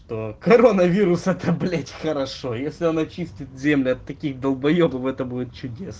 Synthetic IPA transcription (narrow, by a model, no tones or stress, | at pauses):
ʂt̪o̞kɐɾo̞nəvʲiɾʊsəd̪ɐblʲætʲxəɾɐʂo̞jesʲlʲɪɐnɐt͡ɕisʲtʲɪt̪̚zʲemlʲɪɐt̪ːɐkʲixd̪əlˠbɐjobəvɛt̪əbudʲɪt̪̚t͡ɕʊdʲes